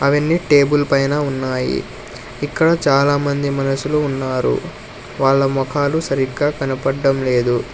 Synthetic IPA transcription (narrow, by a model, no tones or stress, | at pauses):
ɐʋɐnːiːʈeːbulpɐjnaːunːaːjḭ | ikːɐɽɐt͡ʃaːlaːmɐnd̪imɐnɐsuluːnːaːɾṵ | ʋaːɭːɐmɔkʰaːlusɐɾikːaːkɐnɐpɐɖːɐmle̞ːd̪u